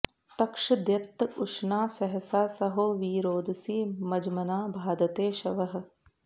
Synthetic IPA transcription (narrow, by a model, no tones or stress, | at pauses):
t̪ɐkʃɐd̪jɐt̪ːɐʊʃnaːsɐɦɐsaːsɐɦoːʋiːɾoːd̪siːmɐd͡ʒmɐnaːbʱaːd̪ɐt̪eːʃɐʋɐɦɐ̆